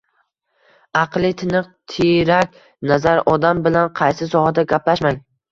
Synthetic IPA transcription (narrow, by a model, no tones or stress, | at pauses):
ɑqlˠɪt̪ʰɪnɨq̚t̪ʰiɾak̚ʲ | nazaɾɒd̪ambɪlanqʰɑjsɪs̬ɒhad̪aɡʲaplaʃmaŋ